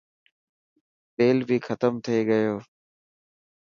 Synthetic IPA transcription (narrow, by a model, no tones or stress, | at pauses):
t̪eːlbʱixʰət̪əmt̪ʰieɡəjoː